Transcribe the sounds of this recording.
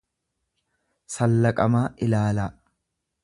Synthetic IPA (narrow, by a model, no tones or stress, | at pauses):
sɐlːɐkʼɐmaːʔɪlaːlaː